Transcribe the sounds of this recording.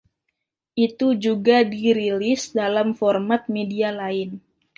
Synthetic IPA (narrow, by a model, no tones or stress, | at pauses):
ʔit̪ud͡ʒuɡadiɾilɪsdalamfɔrmat̪̚medialaɪn